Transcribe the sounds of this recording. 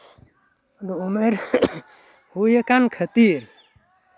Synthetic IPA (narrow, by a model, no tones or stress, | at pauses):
d̪oumeɾ | hujekankʰət̪iɾ